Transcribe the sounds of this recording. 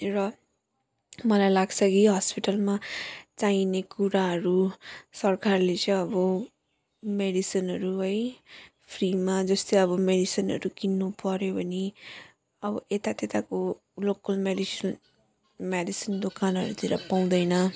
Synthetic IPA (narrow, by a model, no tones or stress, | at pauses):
rʌ | mʌlajlaɡt͡sʰʌkiɦʌspiʈʌlmat͡sainekuɾaɦʌɾusʌrkarlet͡sʌ̃jʌbʌ | meɖisinɦʌɾuɦʌj | pʰrimad͡zʌst̪ojʌbʌmeɖisʌnɦʌ̰ɾukinːupʌɾjobʱʌni | ʌbʌʔet̪at̪et̪ako | lokʌlmeɖis | meɖisind̪okanɦʌ̰ɾut̪ʰiɾʌpaw̃d̪ʌjnʌ